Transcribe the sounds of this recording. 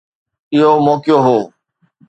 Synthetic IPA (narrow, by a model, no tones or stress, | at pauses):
ɪɦomɔːkɪjoːɦoː